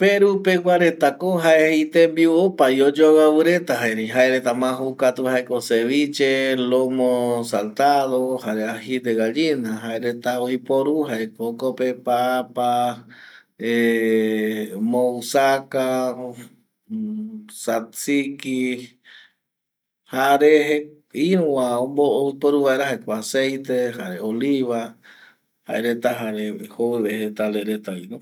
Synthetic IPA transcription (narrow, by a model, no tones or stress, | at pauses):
peɾupewʷaɾet̪akoɦaeit̪embiopajod͡ʒoɣaβɨɾet̪aɦaeɾiɦaeɾet̪amãɦukat̪uhaekoseβit͡ʃelomosalt̪aðohaɾeahid̪eɣad͡ʒinaɦaeɾet̪aoipoɾuɦaekokopepapa | e | mousaka | sat͡siki | haɾeɦe | iũwaombooipoɾuβaeɾaɦaekʷasejt̪ehaɾeoliβa | haʔeɾet̪aɦaɾehoweβehet̪aleɾet̪ainũ